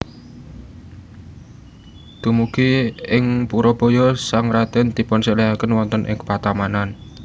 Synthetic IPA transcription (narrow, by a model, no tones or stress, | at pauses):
t̪umukiɪŋpuɾɔb̥o̤jɔsaŋɾad̪̥ɛnd̪̥i̤pɔnseleakənwɔnt̪ənʔɪ̰ŋkə̥pat̪amanan